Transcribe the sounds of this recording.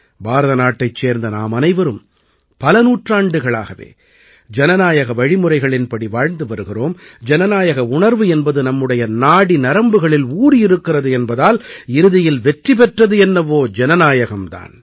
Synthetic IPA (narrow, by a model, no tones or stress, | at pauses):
baːɾɐðɐnaːʈːɐɪt͡ʃːeːɾnd̪ɐna̰ːmɐnɐɪʋɐɾɯm | pɐlɐnuːʈraːɳɖɯɣɐɭaːɣɐʋḛː | d͡ʒɛnɐnaːjɐɣɐʋɐɻɪmɯrɐɪɣɐɭɪnpɐɽiʋaːɻnd̪ɯʋɐɾɯɣɪroːmd͡ʒɛnɐnaːjɐɣɐʊɳɐɾʋɯɛnbɐðɯnɐmːɯɽɐjɐnaːɽinɐɾɐmbɯɣɐɭɪluːɾiɪɾɯkːɪrɐðɯɛnbɐðaːlɪɾɯðɪjɪlʋɛʈripɛʈrɐðɯɛnːɐʋoːd͡ʒɛnɐnaːjɐɣɐmt̪a̰ːn